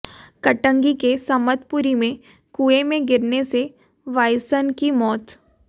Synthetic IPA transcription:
kɐʈə̃ŋɡikesɐmət̪pʊɾimẽ | kuːemẽɡɪɾnese | ʋaːjsənkimɔːt̪

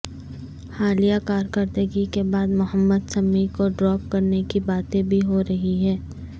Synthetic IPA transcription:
haːlijakaːɾkəɾd̪əɡikebaːd̪mʊɦəmːəd̪sɐmːikoɖɾɔːp̚kɐɾnekibaːt̪ẽbʱiɦoɾɐɦiɦɛ̃ː

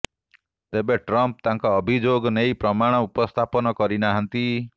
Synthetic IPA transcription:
t̪ebeʈɾɔmp̚t̪aŋkɔːbʱid͡ʒoɡɔnejpɾɔmaɽ̃ɔupɔst̪ʰapɔnɔkɔɾinaɦɔnt̪i

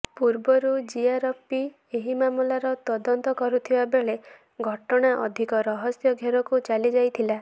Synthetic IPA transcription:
puɾbɔɾud͡ʒiaɾɔpːi | eɦimamulaɾɔt̪ɔd̪ɔnt̪ɔkɔɾut̪ʰibabeɭe | ɡʱɔʈɔɽ̃aʔɔ̰d̪ʱikɔɾɔɦɔsjɔɡʱeɾɔkut͡ʃalid͡ʒajt̪ʰila

